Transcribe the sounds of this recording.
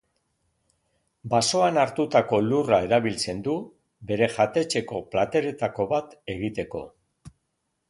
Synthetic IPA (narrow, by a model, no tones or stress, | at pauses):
baso̞anaɾt̪ut̪ako̞lurae̞ɾaβilt͡se̞nd̪u | be̞ɾe̞ʝat̪e̞t͡ʃe̞ko̞plat̪e̞ɾe̞t̪ako̞βat̪e̞ɣ̞it̪e̞ko̞̰